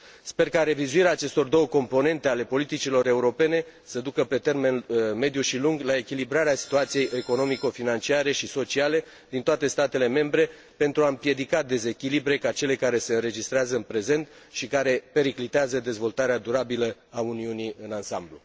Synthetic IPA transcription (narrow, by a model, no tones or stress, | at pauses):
spe̞rkaɾe̞vizuiɾeaːt͡ʃe̞st̪o̞rd̪o̞wəko̞mpo̞ne̞nt̪e̞ale̞po̞lit̪it͡ʃilo̞ɾe̞uɾo̞pe̞ne̞səd̪ukəpe̞t̪e̞rme̞nme̞d̪juʃiluŋɡlae̞kʲilibɾaɾeasi̥t̪uat̪sijejʔe̞ko̞no̞miko̞finant͡ʃiaɾe̞ʃiso̞t͡ʃiale̞ | d̪int̪oat̪e̞st̪at̪e̞le̞me̞mbɾe̞ | pe̞nt̪ɾuaɨmpje̞d̪ikad̪e̞ze̞kʲilibɾe̞kat͡ʃe̞le̞kaɾe̞se̞ɨnɾe̞d͡ʒist̪ɾeazəɨnpɾe̞ze̞nt̪ | ʃikaɾe̞pe̞ɾiklit̪eazəd̪e̞zvo̞lt̪aɾead̪uɾabiləauniuniɨnansamblṵ